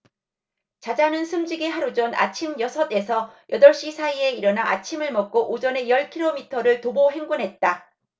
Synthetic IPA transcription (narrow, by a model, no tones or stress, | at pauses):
t͡ɕad͡ʑanɯnsʰɯmd͡ʑiɡeɦaɾod͡ʑʌna̰t͡ɕʰimjʌsʰʌt͈e̞sʰʌjʌdʌɭɕ͈isʰaie̞iɾʌnaat͡ɕʰimɯɭmʌk̚k͈oʔod͡ʑʌne̞jʌɭkʰiɾomitʰʌɾɯɭtoboɦe̞ŋɡunɦe̞t̚t͈a